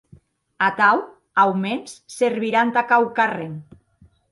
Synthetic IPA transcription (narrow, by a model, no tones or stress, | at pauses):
at̪aw | awmensseɾβiɾant̪akawkareŋ